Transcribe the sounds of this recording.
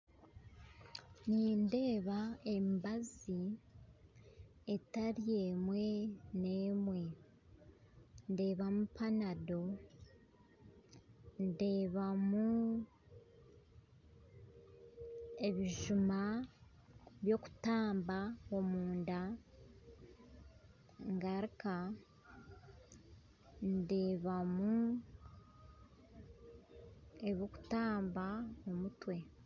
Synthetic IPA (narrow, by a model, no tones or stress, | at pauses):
ninde̞ːβae̞mbazi | etaɾie̞mwe̞ne̞ːmwe̞ | nde̞ːβamupanado̞ | nde̞ːβamu | e̞βiʒuma | βjo̞ku̥taːmbaomuːnda | ŋɡaɾika | nde̞ːβamu | eβjo̞ku̥taːmbaomutwe̞